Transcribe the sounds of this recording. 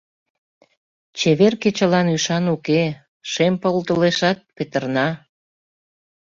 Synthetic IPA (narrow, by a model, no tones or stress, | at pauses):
t͡ɕeβerket͡ɕəlɑnyʃɑnuke | ʃempolt̪əleʃɑt̪̚pet̪ərnɑ